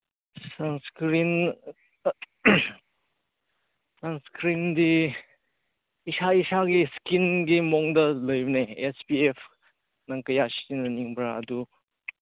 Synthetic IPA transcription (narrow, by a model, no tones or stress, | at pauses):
sanskɾin | sanskɾindi | isaisaɡiskinɡimɔŋdɐləjbneespiepʰ | naŋkɐjasi̥tinɐniŋbɾa̰ɐdu